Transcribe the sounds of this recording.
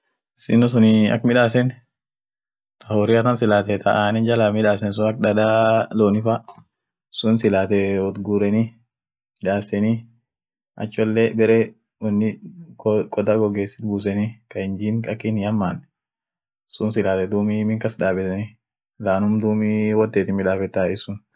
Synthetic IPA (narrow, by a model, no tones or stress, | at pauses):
sɪnɔs̬ʊnɪɐ̰kmɪᶑaːs̬ɛn | t̪ʰɐhɔɾɪɐt̪ɐnsɪlaːt̪ɛt̪ʰɐʔaːnɛd͡ʒɐlaːmɪᶑaːsɛns̬ʊɐk̚dɐd̪aːloːnɪfɐ | sʊnsɪlaːt̪ɛɔt̪ɡuɾɛni | ɪᶑaːsɛni | ʔɐ̰t͡ʃːɔlːeːbɛɾeː | wɔnːɪ | kʼɔd̪aɡɔɡeːsːɪt̪̚buːsɛnikɐhɪnd͡ʒiːnkʼɐkːɪnjɐmːaːnɛ | sʊnsɪlaːt̪ɛd̪uːmimɪŋkɐsᶑaːbɛt̪ɛni | laːnʊmd̪uːmiwɔt̪ːeːt̪ɪmɪᶑaːfɛt̪ːaɪsʊn